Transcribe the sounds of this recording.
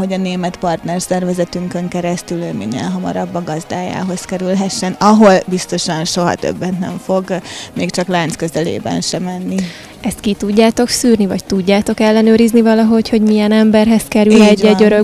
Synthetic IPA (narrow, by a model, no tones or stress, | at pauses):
ɦo̞ɟɒneːmɛt̪pɒrt̪nɛrsɛrvɛzɛt̪yŋkøŋkɛɾɛst̪ylømḭnːḛːlɦɒmɒ̰ɾɒbːɒɡɒzd̪aːja̰ːɦo̞skɛɾylɦɛʃːɛnɒɦo̞lbist̪o̞ʃɒnʃo̞ɦɒ̰t̪ø̰bːɛnt̪nɛ̰ɱfo̞ɡmeːkt͡ʃɒklaːnt̪skøzɛlḛːbɛ̰nʃɛmɛnːi | ɛst̪̚kit̪uɟːaːt̪o̞ksyːrnivɒc̚t̪uɟːaːt̪o̞kɛlːɛnøːɾiznivɒlɒɦo̞cho̞ɟmijɛnɛmbɛrɦɛskɛɾylɛɟːɛɟøɾø